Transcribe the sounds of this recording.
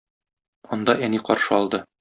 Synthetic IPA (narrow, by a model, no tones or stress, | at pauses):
ɒnd̪ɑæniqɒɾʃɤɒlˠd̪ɤ